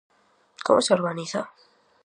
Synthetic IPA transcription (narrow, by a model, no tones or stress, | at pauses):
ko̰moseoɾɣaniθa